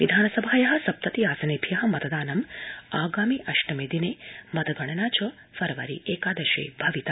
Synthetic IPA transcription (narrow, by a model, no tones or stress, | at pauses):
ʋid̪ʱaːnɐsɐbʱaːjɐɦɐ̆sɐp̚t̪ɐt̪iaːsɐneːbʱijɐɦɐ̆mɐt̪ɐd̪aːnɐmaːɡaːmiʔɐʃʈɐmeːd̪ineːmɐt̪ɐɡʱɐɳ̃ɐnaːt͡ʃɐ | fɐɾɐʋɐɾḭʔeːkaːd̪ɐʃḛːbʱɐʋit̪a